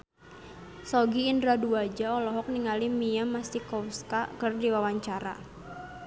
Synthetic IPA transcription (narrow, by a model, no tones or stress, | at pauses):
sɔɡiːndɾaduad͡ʒaɔlɔɦɔk̚niŋalimijamast̪ikɔwskakərdiwawaɲt͡ʃaɾa̰